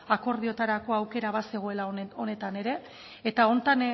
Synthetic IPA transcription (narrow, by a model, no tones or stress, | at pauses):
ako̞ɾð̞io̞t̪aɾako̞awke̞ɾaβase̞ɣ̞oe̞lao̞ne̞t̪ane̞ɾe̞ː | t̪ao̞nt̪an